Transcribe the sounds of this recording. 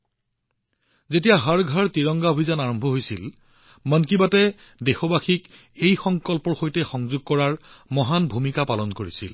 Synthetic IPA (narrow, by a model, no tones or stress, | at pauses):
zetijaɦaɹɡʱaɹtiɹɔŋɡaobʱizanaɹɔmbʱɔɦojsil | mɔnkibatɛ | dexɔbaxik | ejxɔŋkɔlpɔɹxojtɛxɔŋzuɡ̚kɔɹaɹmɔɦanbʱumikapalɔnkoɹisḭl